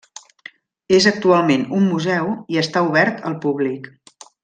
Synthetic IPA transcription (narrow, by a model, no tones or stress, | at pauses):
ezək̚t̪ualˠmenumːuzɛwiəst̪auβɛɾt̪ə̰lˠpuβlik